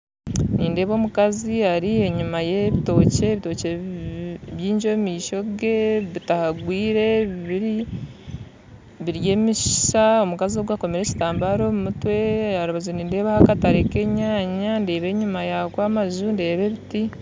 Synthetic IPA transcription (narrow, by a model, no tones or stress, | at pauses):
niːnde̞ːβo̞ːmukaziaɾie̞ɲumaje̞βito̞ːce̞ːβito̞ːce | βjiːɲd͡ʒo̞miːʃo̞ɡe̞βitahaɡwiːɾe̞iβiɾi | βiɾje̞ːmiʃi̥ʃao̞mukazio̞ɡwako̞meɾe̞ci̥taːmbaɾo̞mumutwe̞haɾuβazoniːnde̞ːβahakataɾeke̞ɲaːɲande̞ːβe̞ɲumajakwaːmazunde̞ːβe̞βiti